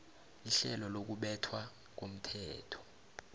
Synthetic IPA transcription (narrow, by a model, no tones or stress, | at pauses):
iɬɛlɔlok̬uɓɛtʰwa | k̬om̩tʰɛːtʰɔ̥